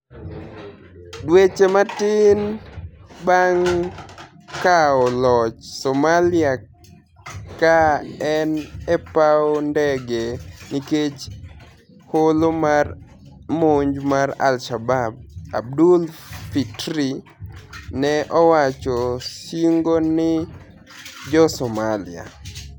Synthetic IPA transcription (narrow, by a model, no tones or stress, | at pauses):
dwet͡ʃematɪn | baŋ | kaɔlɔt͡ʃsɔmalia | kaɛnɛpaondɛɡeniket͡ʃ | holomar | moɲd͡ʒmaɾa̰lʃabab̚a̰b̚dulfitɾi | nɛʔɔwat͡ʃɔʃiŋɡonɪ | d͡ʒɔsɔmalḭa̰